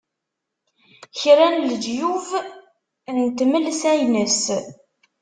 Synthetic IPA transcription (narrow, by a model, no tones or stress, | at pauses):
çɾænld͡ʒjuv | nt̪məlsæjnəs